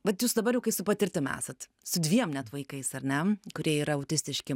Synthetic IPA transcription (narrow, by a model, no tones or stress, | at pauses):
ʋʲɐt̪juːsd̪ɐbɐɾjɛʊkɐɪsʊpɐt̪ʲɪɾʲt̪ʲɪmæ̰ːsɐt̪ | sʊd̪ʲʋʲiɛmnʲæt̪ʋɐɪkɐɪsɐɾʲnʲɛkʊɾʲiɛiːɾɐɐʊtʲɪsʲt̪ʲɪʃʲkʲɪ